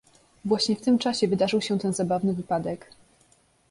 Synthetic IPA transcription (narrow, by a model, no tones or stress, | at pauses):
vwaɕɲɛft̪ɘmt͡ʂaɕɛvɘd̪aʐɘwɕɛt̪ɛnzabavnɘvɘpad̪ɛk